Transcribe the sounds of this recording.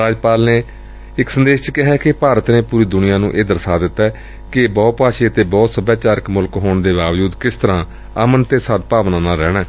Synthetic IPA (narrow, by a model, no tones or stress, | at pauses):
ɾaːd͡ʒpaːlneː | ɪksənd̪eːʃt͡ʃkɪɦɛːkɪpaːɾət̪neːpuːɾiːd̪ʊnɪjãːnũːʔeːd̪əɾsaːd̪ɪt̪ːɛː | kɪbɔːpaːʃiːət̪eːbɔːt̪səbjaːt͡ʃaːɾəkmʊlkɦoːɳd̪eːbaːʋd͡ʒud̪kɪst̪əɾãː | əmənt̪eːsəd̪̚paːʋnãːnãːɾɛːɽɛː